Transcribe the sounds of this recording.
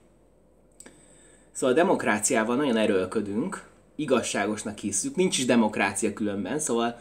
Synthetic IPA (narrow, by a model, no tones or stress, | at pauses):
soːvɒld̪ɛmo̞kraːt̪sijaːvɒlnɒɟo̞nɛɾølkød̪yŋk | iɡɒʃːaːɡo̞ʃnɒkhisːyknint͡ʃiʒd̪ɛmo̞kraːt̪sijɒkylø̞mbɛnsoːvɒl